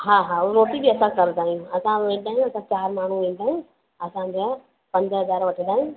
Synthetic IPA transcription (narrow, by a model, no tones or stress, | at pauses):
ɦaːɦaːɾoːʈibiɐsãkɐɾt̪aːɦijũɐsãʋẽːd̪aːɦɪ̃j̃ɐsãt͡ɕaːɾmaːɳ̤uʋẽːd̪aːɦij̃ | ɐsãd͡ʑo | pɐ̃ɲd͡ʑɦɐzaːɾʋɐʈʰid̪aːɦiũ